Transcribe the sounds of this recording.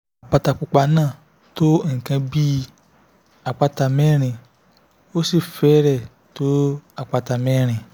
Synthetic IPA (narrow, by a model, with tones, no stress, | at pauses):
a˨k͡pa˧ta˧k͡pu˧k͡pa˧nãː˦˨ | to˦ŋ̩˨kã˧bi˦ | a˨k͡pa˧ta˧mɛ̃˦ɾ̃ĩ˧˨ | o˦si˦˨fɛ˨˦ɾɛ˦˨ | to˦a˨k͡pa˧ta˨mɛ̃˦ɾ̃ĩ˨